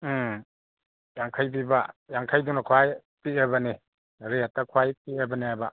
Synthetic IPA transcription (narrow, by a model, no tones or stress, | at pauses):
jaŋkʰajbibajaŋkʰajdunakʰwajpiebani | ɾetːakʰwajpiebaniajba